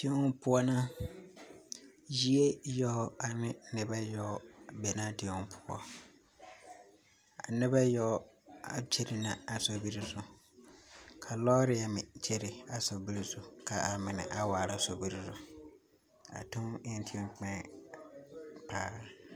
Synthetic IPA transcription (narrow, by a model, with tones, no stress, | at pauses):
dʰĩ˦wʊ̃˦pʰʊ˦ɔ˦nã˦ | ji˦e˦jɔ˦ɔ˦a˨nɪ̃˦nɪ̃˨bɛ˦jɔ˦˨bɛ˨nã˦tɪ˨ʊ̃˨m˦pʰʊ̥˦ɔ̰˦ | a̰˨nɪ̃˦bɛ˦jɔ˦ | a̰˨t͡ɕʰe˦ɾɪ˨nã˨a˨sɔ˨bi˦ɾi˦sʊ˨ | kʰa˨lɔː˦ɾɪ˨˦ɛ˨mɪ̃˨t͡ɕʰe˦ɾɪ˨a˨sɔ˨bi˦ɾi˦sʊ˨kʰa˨a˨mɪ̃˨nɪ̰̃˨ʔa˨waː˨ɾa˨so˨bi˦ɾi˦sʊ˨ | a̰˨tʰʊ̃˦mɪ˦n˦tʰĩ˦k͡pɛ̃˦ | pʰaː˦